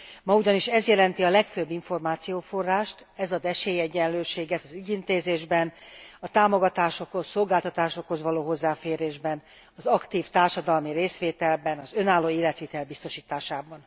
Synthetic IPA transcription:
mɒuɟɒniʃɛzjɛlɛnt̪iɒlɛkføbːiɱfo̞rmaːt̪sijoːfo̞rːaːʃt̪ | ɛzɒd̪ɛʃeːjɛɟːɛnløːʃeːɡɛt̪ɒzyɟint̪eːzeːʒbɛnɒt̪aːmo̞ɡɒt̪aːʃo̞kho̞sːo̞lɡaːlt̪ɒt̪aːʃo̞kho̞zʋɒloːɦo̞zːaːfeːɾeːʒbɛn | ɒzɒkt̪iːft̪aːrʃɒd̪ɒlmiɾeːsʋeːt̪ɛlbɛnɒzø̞naːlːoːeːlɛt̪ʋit̪ɛlbist̪o̞ʃiːt̪aːʃaːbɒn

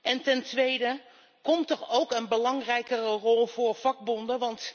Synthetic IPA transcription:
ʔɛntɛntʋejdə | kɔmtɔχowkənbəlɑŋrɛjkərərɔlˠv̥ʊːɹv̥ɑɡ̚bɔndəʋɑnt

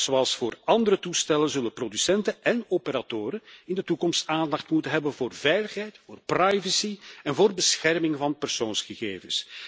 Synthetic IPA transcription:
z̥oɑlˠsfoːrɑnd̪əɾətustɛlənzɵlənprodysɛntəʔɛnopəɾatoːɾəɪndətukɔmstaːndɑxtmutənɦɛbənvoːrvɛjləxɦɛjtfoːrprajvəsiɛnvoːrbəsxɛrmɪŋvɑnpərsoːnsxəɣḛːvəs

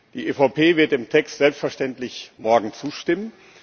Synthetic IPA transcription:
d̥iːʔeːfɑʊpʰeːvɪɐt̚d̥eːmtʰɛkstz̥ɛlpstfɛɐʃtɛntlɪçmɔɐɡŋ̩t͡suːʃtɪmən

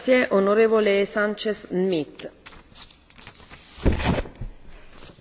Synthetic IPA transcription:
sjeʔonoɾeːvolesant͡ʃesmit̪ː

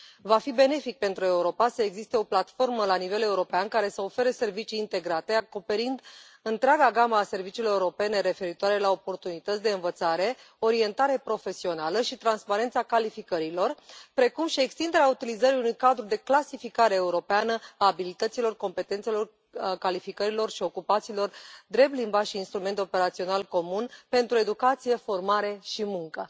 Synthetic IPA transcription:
vafibe̞ne̞fik̚pe̞nt̪ɾue̞uɾo̞pasəe̞ɡzist̪e̞o̞plat̪fo̞rməlanive̞le̞uɾo̞peankaɾe̞səo̞fe̞ɾese̞rvit͡ʃiːnt̪e̞ɡɾat̪e̞ako̞pe̞ɾind̪ | ɨnt̪ɾeaɡaɡaməːse̞rvit͡ʃiːlo̞ɾeuɾo̞pe̞ne̞ɾe̞fe̞ɾit̪oaɾe̞lao̞po̞rt̪unit̪ət̪sʲd̪e̞ɨnvət̪saɾe̞ | o̞ɾie̞nt̪aɾe̞pɾo̞fe̞sio̞naləʃit̪ɾanspaɾe̞nt̪sakalifikəɾilo̞rpɾe̞kumʃie̞kst̪ind̪e̞ɾeaut̪ilizəɾiunujkad̪ɾud̪e̞klasifikaɾe̞ːuɾo̞peanəaːbilit̪ət̪silo̞rko̞mpe̞t̪e̞nt̪selo̞r | kalifikəɾilo̞rʃio̞kupat̪silo̞rd̪ɾe̞p̚t̪limbaʃiːnst̪ɾume̞nt̪o̞pe̞ɾat̪sio̞nalko̞munpe̞nt̪ɾue̞d̪ukat̪sije̞fo̞rmaɾe̞ʃimuŋkə

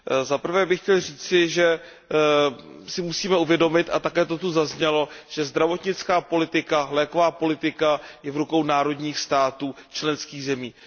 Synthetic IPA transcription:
zapr̩vɛːbɪxcɛlriːt͡sɪʒɛ | sɪmusiːmɛuvjɛdo̞mɪt̪ʔat̪akɛːt̪o̞t̪uzazɲɛlo̞ʒ̥ɛzd̪ɾavo̞t̪ɲɪt͡skaːpo̞lɪt̪ɪkalɛːkovaːpo̞lɪt̪ɪkajɛvɾuko̞wnaːɾo̞dɲiːxst̪aːt̪uːt͡ʃlɛnskiːɣzɛmiː

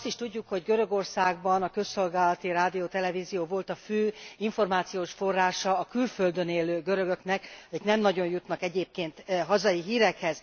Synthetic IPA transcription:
st̪iʃt̪uɟːukho̞ɟɡøɾø̞ɡo̞rsaːɡbɒnɒkø̞sːo̞lɡaːlɒt̪iɾaːd̪ijoːt̪ɛlɛvizijoːvo̞lt̪ɒføːiɱfo̞rmaːt̪sijoːʃfo̞rːaːʃɒːkylfø̞ld̪ø̞neːlːøːɡøɾø̞ɡøknɛkeʃnɛmnɒɟo̞ɲjut̪nɒkɛɟeːp̚keːnt̪ɦɒzɒjiɦiːɾɛkhɛz̥

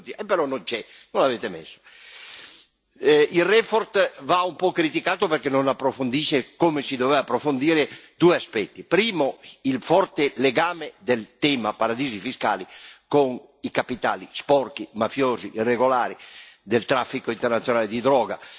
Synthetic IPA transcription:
t̪iaepːeɾɔnːont͡ʃɛ | nonaveːt̪emḛsːo̥ | ilrɛfɔɾt̪vaumpɔkːɾit̪ikaːt̪operkenːonapːɾofond̪iːʃekomesid̪ovɛvapːɾofond̪iːɾed̪uːeaspɛt̪ːipɾiːmoilfɔrt̪eleɡaːmed̪elt̪ɛːmapaɾad̪iːzifiskaːlikoŋ | ikapit̪a̰ːlispɔrkimafjɔːziʔirːeɡolaːɾid̪elt̪ɾafːikoint̪ernat̪sjonaːled̪id̪ɾɔːɡa

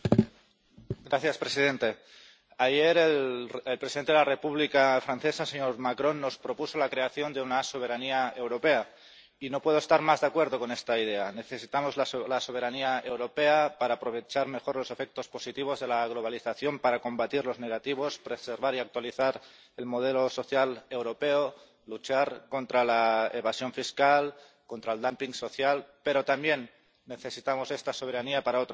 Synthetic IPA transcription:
ɡɾaθjaspɾe̞sið̞e̞nt̪e̞ | aje̞ɾelelpɾesiðent̪eðelare̞puβlikafɾanθe̞saseɲo̞ɾmakɾo̞nːo̞spɾo̞puso̞lakɾe̞aθjo̞nd̪eunaso̞βe̞ɾaniae̞wɾo̞pe̞a | inopwe̞ð̞oest̪aɾmazðakwe̞ɾðo̞ko̞ne̞st̪aið̞e̞ane̞θe̞sit̪amo̞zllaso̞β̞e̞ɾaniae̞wɾo̞pe̞apaɾaːpɾo̞β̞e̞t͡ʃaɾme̞xo̞ɾlose̞fek̚t̪o̞spo̞sit̪iβ̞o̞zðe̞laɣ̞lo̞β̞aliθaθjo̞mpaɾako̞mbat̪iɾlo̞zne̞ɣat̪iβ̞o̞spɾe̞se̞ɾβ̞aɾiak̚t̪waliθaɾ | e̞lmo̞ð̞e̞loso̞θjale̞wɾo̞peo | lut͡ʃaɾko̞nt̪ɾalaeβasjo̞ɱfiskal | ko̞nt̪ɾaeld̪ampiŋso̞θjalpe̞ɾo̞t̪ambje̞nː | e̞θe̞sit̪amo̞se̞st̪aso̞βe̞ɾaniapaɾaot̪

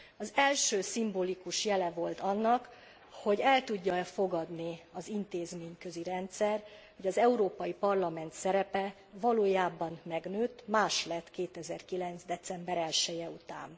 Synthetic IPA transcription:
ɒzɛlʃøːsimboːlikuʃjɛlɛvo̞lt̪ɒnːɒk | ho̞ɟɛlt̪uɟːɒɛfo̞ɡɒd̪niɒzint̪eːzmeːɲkø̞ziɾɛnt̪sɛrho̞ɟɒzɛuɾoːpɒjipɒrlɒmɛnt̪sɛɾɛpɛ | vɒloːjaːbɒnmɛɡnøːt̪ːmaːʃlɛt̪keːt̪ɛzɛrkilɛnt̪zd̪ɛt̪sɛmbɛɾɛlʃɛjɛut̪a̰ːn

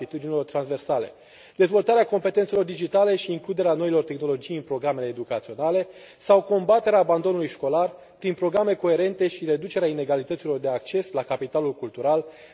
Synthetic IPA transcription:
it̪ud̪inilo̞rt̪ɾanzve̞rsale̞̰ | d̪e̞zvo̞lt̪aɾeako̞mpe̞t̪ent̪se̞lo̞rd̪id͡ʒit̪ale̞ʃiːŋklud̪e̞ɾeano̞ilo̞rt̪e̞xno̞lo̞d͡ʒijɨnpɾo̞ɡɾame̞le̞ːd̪ukat̪sio̞nale̞ | sawko̞mbat̪e̞ɾeaːband̪o̞nulujʃko̞lar | pɾinpɾo̞ɡɾame̞ko̞e̞ɾe̞nt̪e̞ʃiɾe̞d̪ut͡ʃe̞ɾeaine̞ɡalit̪ət̪silo̞rd̪e̞ak̚t͡ʃe̞slakapit̪alulkult̪uɾal

